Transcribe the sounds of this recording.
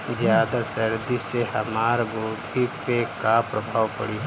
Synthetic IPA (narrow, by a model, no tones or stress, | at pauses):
zjaːd̪asəɾd̪isehɐmaːɾɡoːɡipekapɾəbʱaːʋpə̰ɽi